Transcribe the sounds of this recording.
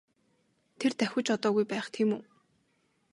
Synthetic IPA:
t̪ʰert̪æxʲʊ̆t͡ɕɔt̪ɔːɣujpæːχt̪ʰiːmuː

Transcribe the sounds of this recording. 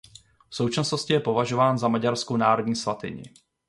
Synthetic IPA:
fso̞wt͡ʃasnoscɪjɛpo̞vaʒo̞vaːnzamaɟaɾskonaːɾodɲiːsvat̪ɪ̰ɲɪ̰

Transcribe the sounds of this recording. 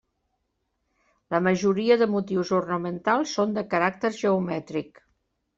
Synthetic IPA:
ləməʒuɾiəðəmut̪iwzurnəmənt̪alˠsːond̪əkəɾak̚t̪əɾʒəumɛt̪ɾik

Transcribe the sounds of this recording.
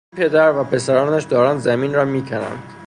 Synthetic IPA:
pʰed̪æɾvæpʰe̞sæɾɒːnæʃd̪ɒːɾɑːnd̪zæmiːnɾɒːmiːcʰænæ̰nd̪̥

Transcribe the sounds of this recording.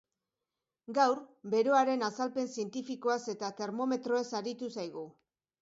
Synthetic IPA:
ɡawɾbe̞ɾoaɾe̞nasalpe̞nsie̞nt̪ifiko̞ase̞t̪at̪e̞ɾmo̞me̞t̪ɾo̞e̞saɾit̪usajɣ̞u

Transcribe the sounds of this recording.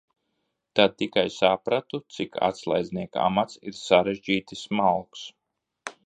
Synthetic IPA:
t̪ad̪̚t̪ːikajsapɾat̪ut̪sikʰa̰t̪slˠa̰jd̪zniɛka̰mat̪siɾsaɾeʒd͡ʒiːt̪ismalˠks

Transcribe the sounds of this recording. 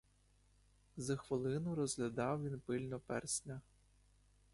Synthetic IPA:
zɐxʋɪlˠɪnʊɾɔzɦlʲɐd̪ɑwʋʲinpɪlʲnɔpɛ̰rsʲnʲɐ

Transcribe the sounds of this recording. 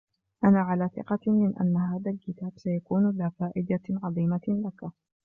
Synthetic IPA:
ʔanaːʕalaːθɪ̰qɑmɪnʔa̰nːaɦaːðalkɪt̪aːbsajakuːnlaːfaːʔɪd̪aʕɑðˤiːmalaka

